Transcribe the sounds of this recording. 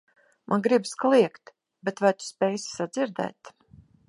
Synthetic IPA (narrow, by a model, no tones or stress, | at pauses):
mʔanɡɾibskalˠiɛkt̪ | bɛt̪vajt̪u̥spʲɛjssad̪zʲiɾd̪ɛ̰ːt̪